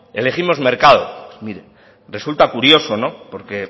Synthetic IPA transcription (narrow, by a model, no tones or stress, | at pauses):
e̞le̞ximo̞zme̞ɾkað̞o̞̰miɾe | re̞sult̪akuɾjo̞so̞no̞po̞ɾke̞